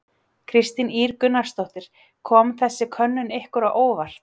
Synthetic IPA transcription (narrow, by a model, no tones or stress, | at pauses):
kʰɾɪst̪ɪniːɾkʏnːaɾ̥st̪owht̪ɪɾ̥ | kʰɔːmθɛsːɪkʰœnːʏnehkʏɾaʔoːwvar̥t̪